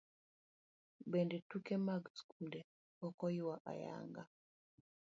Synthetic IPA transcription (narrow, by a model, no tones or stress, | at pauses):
bendɛtukemaɡskunde | ɔkɔjʊwaʔa̰ja̰ŋɡa